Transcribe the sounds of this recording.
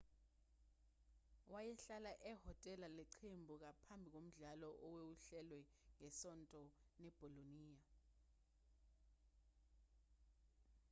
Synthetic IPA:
wajɛɬalaʔɛhɔtʼɛlalɛǃʰembʱuk̬apʰambʱik̬om̩ɮalɔʔɔwewuɬɛlwɛ | ŋɛsɔntʼɔnɛb̥ʱɔloniːja

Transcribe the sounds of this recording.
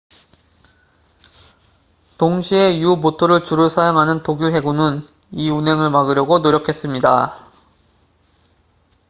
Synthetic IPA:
toŋɕʰie̞jubotʰoɾɯɭt͡ɕuɾɯɭsʰajaŋɦanɯntoɡjuɦe̞ɡunɯn | iunɦe̞ŋɯɭmaɡɯɾjʌɡonoɾjʌkʰe̞s͈ɯmɲida

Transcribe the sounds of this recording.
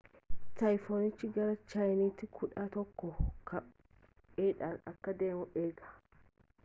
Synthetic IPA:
sɐjfoːnɪt͡ʃːɪɡɐɾɐt͡ʃɐjnit̪ːɪkʰʊᶑaːt̪ɔkːɔkʰɐ | eːᶑasɐkːɐd̪eːmɔʔeːɡɐ̥

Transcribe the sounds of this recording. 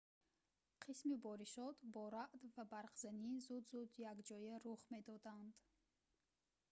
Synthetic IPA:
qʰismibɔɾiʃɔt̪bɔɾaʔd̪vabaɾqz̥anizud̪zud̪jaɡd͡ʒɔjaɾuχme̞d̪ɔd̪and̪

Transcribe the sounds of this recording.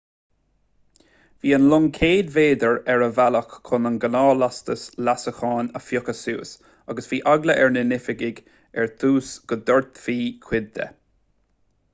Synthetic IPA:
viːənlʊŋkʰeːd̪veːd̪əɹɛɹəvaləxkʰʊnənɡənɑːlast̪əslasəxɑːnəfjʊkəsṵːs | aɡəsviːʔaɡləʔɛɹnənɪfɪɡɪɡ | ɛɹt̪ʰuːsɡ̥əd̪əɹt̪fiːkʰw̥ɪd̪ːə̰

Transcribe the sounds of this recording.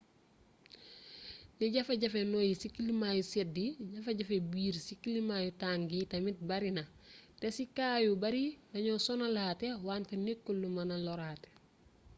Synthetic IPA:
niɟɐfɐɟɐfenoːjisikːilimajusɛtdiɟɐfɐɟɐfebiːɾsikːilimaːjutaːŋɡitɐmit̚bɐɾinɐtɛsikaːjubɐɾilɐɲɔsɔnɐlaːtewaːntenekːulːumɐnɐlɔɾaːte̥

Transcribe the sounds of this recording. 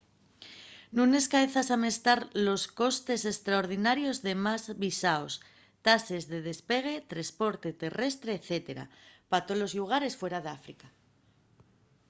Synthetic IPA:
nũne̞skaeθasame̞st̪aɾlo̞sko̞st̪e̞se̞st̪ɾaoɾð̞inaɾjo̞zðe̞mazβisaos | t̪ase̞zðe̞ð̞e̞spe̞ɣ̞e̞t̪ɾaspo̞ɾt̪e̞t̪e̞re̞st̪ɾe̞ːθe̞t̪e̞ɾa̰pat̪o̞lo̞zʎuɣ̞aɾe̞sfwe̞ɾaðeafɾika

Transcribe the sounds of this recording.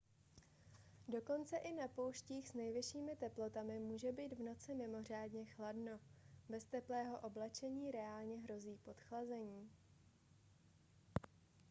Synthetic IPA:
do̞ko̞nt͡sɛʔɪnapowʃciːxsnɛjvɪʃiːmɪt̪ɛplo̞t̪amɪmuːʒɛbiːd̪vno̞t͡sɪmɪmo̞r̝aːdɲɛxladno̞bɛst̪ɛplɛːɦo̞ʔoblɛt͡ʃɛɲiːɾɛaːlɲɛɦɾo̞ziːpo̞t̪xlazɛɲiː

